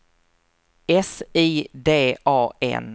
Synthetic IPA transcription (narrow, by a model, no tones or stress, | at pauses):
ɛsiːd̪eːʔɑːɛ̰n